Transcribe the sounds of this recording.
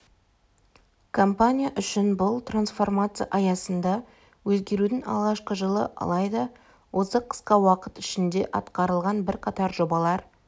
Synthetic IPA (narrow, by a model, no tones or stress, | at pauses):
kʰo̞mpanʲijaʔʏʃɪnbʊlˠt̪ransfo̞rmat̪sɨja̰ʔɑjɑsənd̪ɑ | wɵzɡʲe̞ɾud̪ɪŋɑ̰lˠʁɑʃqəʒəlˠəʔɑ̰lˠɑjd̪ɑ | wo̞səqʰə̥sqɑwɑqət̪ɪʃɪnd̪e̞ʔɑt̪qɑɾəlˠʁɑnbɪɾqʰɑt̪ɑɾʒo̞bɑlˠɑɾ